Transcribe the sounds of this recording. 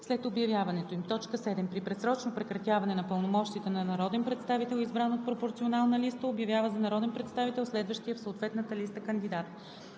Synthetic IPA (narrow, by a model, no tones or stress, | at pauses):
slɛt̪objɐvjavɐnɛt̪oimt̪ɔt͡ʃkəsɛd̪ɛmpɾipɾɛsɾɔt͡ʃnopɾɛkɾɐt̪ʲjavɐnɛnɐpəlˠnomɔʃt̪it̪ɛnɐnɐɾɔd̪ɛnpɾɛt̪st̪avit̪ɛlˠizbɾanot̪̚pɾopoɾt̪sionalˠnəlist̪əobjɐvʲjavəzɐnɐɾɔd̪ɛnpɾɛt̪st̪avit̪ɛlˠslɛd̪vəʃt̪ijəfsoot̪vɛt̪nət̪əlist̪əkənd̪id̪at̪